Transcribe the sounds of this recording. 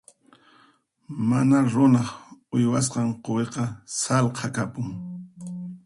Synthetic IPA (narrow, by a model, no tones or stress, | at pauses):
manaɾʊnɑχʊjwas̬qɑɴqoweqɑsalqʰɑkapʊŋ